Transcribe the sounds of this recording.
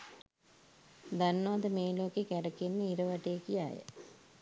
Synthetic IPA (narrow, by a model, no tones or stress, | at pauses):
d̪anːəʋad̪əmeːloːkekɛɾəkenːəiɾəʋaʈejekija̰jə̰